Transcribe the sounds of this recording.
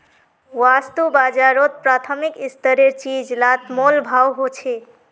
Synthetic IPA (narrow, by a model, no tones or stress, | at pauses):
wast̪ubad͡ʒaɾot̪̚pɾat̪ʰəmikist̪əɾeɾt͡ʃid͡ʒlat̪molbʱawɦot͡ʃʰe